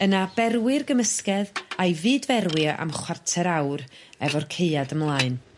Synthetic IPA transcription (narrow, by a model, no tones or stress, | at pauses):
ənabɛrwɪrɡəməskɛðajvɨːdvɛrwɪaʔa̰mχwartʰɛɾawrɛvɔrkʰeɨadəmlˠaːɨn